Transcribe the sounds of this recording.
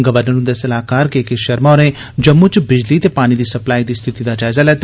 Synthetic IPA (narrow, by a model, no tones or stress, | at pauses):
ɡəʋəɾnəɾʊ̃nd̪esɐlaːkaːɾkeːkeʃɐɾmaɾẽ | d͡ʒɐmːut͡ʃbɪd͡ʒlit̪eːpaːɽ̃id̪iːsɐplaːid̪iːst̪ʰɪt̪id̪aːd͡ʒaːɪzalɛːt̪